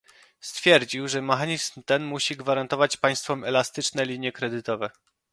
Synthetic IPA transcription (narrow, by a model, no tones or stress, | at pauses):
st̪fʲjɛɾd͡ʑiwʐɛmɛxaɲizmt̪ɛnmuɕiɡvaɾant̪ɔvat͡ɕpaj̃st̪fɔmɛlast̪ɘt͡ʂnɛlʲiɲjɛkɾɛd̪ɘt̪ɔvɛ